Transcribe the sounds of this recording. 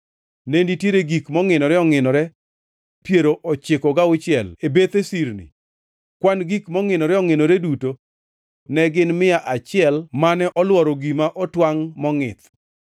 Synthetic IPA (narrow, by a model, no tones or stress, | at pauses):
nenditjeɾeɡikmɔŋɪnɔɾɛɔŋɪnɔɾɛ | pjeɾoʔɔt͡ʃɪkɔɡaʊt͡ʃɪɛlebet̪esiɾnḭ | kwanɡikmɔŋɪnɔɾɛɔŋɪnɔɾeduto | nɛɡɪnmɪjaʔat͡ʃɪɛlmanɛʔɔlwɔɾɔɡimaʔɔtwaŋmɔŋɪ̰t̪